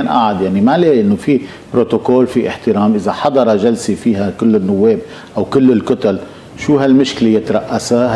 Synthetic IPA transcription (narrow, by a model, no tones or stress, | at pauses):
nʔa̰ʕad̪jaʕnimaleːʔɪnːofi | bɾot̪okoːlfiʔɪħt̪ɪɾɑːmʔɪzaħɑd̪ˤɑɾˤɑʒalsifiːɦakɪlːɪnːʊwːeːb̚ | ʔawkɪlːɪlkʊt̪al | ʃuːɦalmʊʃklejɪt̪ɾˤɑʔːasa